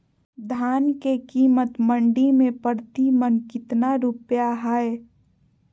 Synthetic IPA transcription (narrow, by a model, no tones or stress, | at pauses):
d̪ʱaːnkekiːmət̪məɳɖimẽpəɾt̪imənkɪt̪naɾupjaɦaːe